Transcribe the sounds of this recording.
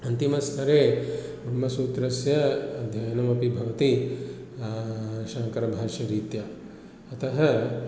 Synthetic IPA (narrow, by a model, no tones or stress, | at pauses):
ɐnt̪imɐst̪ʰɐɾeːbʱɾɐmɐsuːt̪ɾɐsjɐɐd̪ʱjɐjɐnɐmɐpibʱɐʋɐt̪i | ʃaːŋkɐɾɐbʱaːʃɐɾiːt̪jɐ | ɐt̪ɐɦɐ